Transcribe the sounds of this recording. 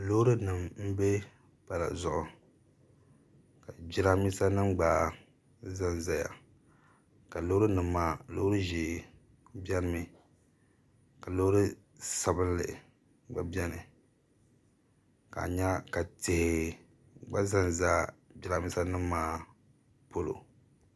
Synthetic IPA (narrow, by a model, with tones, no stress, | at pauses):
lo˦hɾɨ˦nɨ˨mm̩˦be˦ | pa˨la̰˨zʊ˨ʔʊ˨ | ka˨d͡ʒi˦ɾa˦mi˦sa˦nɨ˦mɡ͡baː˨ | za˦nza˦ja̰˨ | ka˨lo˦ɾɨ˦nɨ˨mːaː˦lo̰˦ɾɨ˦ʒi˨ | bʲɛ˦n˦mɨ˨ | ka˨lo˦ɾɨ˦ | sa˨bɨ˦n˦lɨ̰˨ | ɡ͡ba˦bɛ˦nɨ˨ | ka̰˨ɲa˦ka˨tɪ˨hɪ˨ | ɡ͡ba˦za˦nzaː˦bi˦ɾa˦mi˦sa˦nɨ˦mːaː˦ | po˦lo̰˨